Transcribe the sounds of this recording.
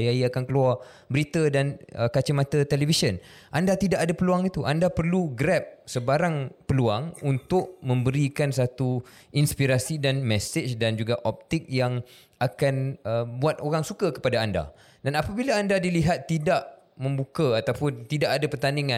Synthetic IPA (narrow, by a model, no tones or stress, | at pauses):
jaiakankəluar | bəɾit̪ədanəkat͡ʃəmãt̪ət̪ɛlevisən | ʔandat̪idaʔadapəluaŋit̪uʔandapərluɡɾɛp̚səbaɾaŋpəluaŋunt̪ʊʔmə̃mbəɾikansat̪u | inspiɾasidanmɛset͡ʃdand͡ʒuɡaʔɔp̚t̪ɪk̚jaŋ | akanəbuat̪̚ʔoɾaŋsukakə̥padaːnda̰ | danapabilaːndadiliɦat̪ːidaʔ | mə̃mbukaat̪apʊnt̪idaʔadapərt̪aniŋã